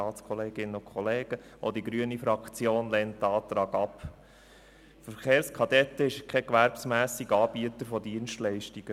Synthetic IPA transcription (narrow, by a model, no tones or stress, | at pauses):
ɑːtt͡skʰɔleːɡ̥ɪnəʊnkʰχɔleːɡ̥ə | ʔo̰d̪iɡɾyənifɾɑkt͡sjoːnlɛnt̚ːɑːt̪ɾɑːɡɑp | fəɾχeːɾskʰɑdɛt̪ːəɪʃkʰɛkʋæɾbsmæːsiɡɑːb̥iətəɾfɔdiənʃtlɛɪʃtiɡ̥ə